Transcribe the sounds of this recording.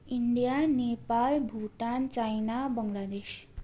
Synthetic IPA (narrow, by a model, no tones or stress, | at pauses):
iɳɖijanepalbʱuʈant͡sajnabʌŋlad̪es